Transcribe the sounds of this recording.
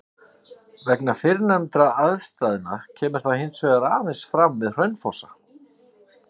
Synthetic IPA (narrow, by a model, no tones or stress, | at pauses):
vɛknafɪɾnɛmt̪ɾaaðst̪aːðɪnacʰɛːmɪɾ̥θaðhɪnsvɛːɣaɾaːvɛnsfɾamvɪðr̥œjnfɔsa